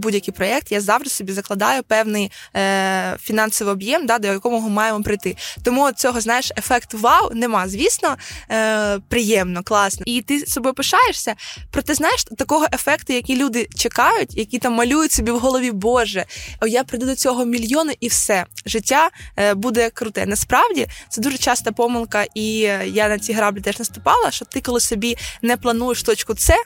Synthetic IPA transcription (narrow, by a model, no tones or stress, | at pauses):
budʲjɐkɨjpɾɔɛk̚t̪jazɑwʒd̪ɪ̥sɔbʲizɐklˠɐd̪ɑjʊpɛwnɪj | fʲinɑnsɔʋɪɔbjɛmd̪ɑd̪ɔjjɐkɔmʊɦɔmɑjemɔpɾɪjt̪ɪt̪ɔmuɔt͡sʲɔɦɔznɑjeʃefɛkt̪ʋɑwnemɑzʲʋʲisnɔ | pɾɪjɛmnɔklˠɑsnɛit̪ɪsɔbɔpɪʃɑjeʂsʲɐpɾɔt̪ɛznɑjeʃt̪ɐkɔɦɔʔefɛkt̪ʊjɐkʲilʲud̪ɪt͡ʃekɑjʊtʲjɐkʲit̪ɑmːɐlʲujʊtʲsɔbʲiwɦɔlˠɔʋʲibɔʒɛɔjapɾɪd̪ud̪ɔt͡sʲɔɦɔmʲilʲjɔnʊʔiwsɛʒɪtʲːabud̪ɛkɾʊt̪ɛ̰nɐspɾɑwdʲit̪sɛd̪uʐɛt͡ʃɑst̪ɐpɔmɪlˠkɐʔijanɐt͡sʲiɦɾɑblʲɪt̪ɛʒnɐst̪ʊpɑlˠɐʃɔt̪ɪkɔlˠɪsɔbʲinɛplˠɐnujeʃt̪ɔt͡ʃkʊt̪sɛ